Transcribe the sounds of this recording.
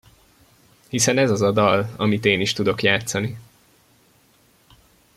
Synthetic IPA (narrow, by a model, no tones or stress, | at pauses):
hisɛnɛzɒzɒd̪ɒlɒ̰mit̪eːniʃt̪ud̪o̞kjaːt̪sɒni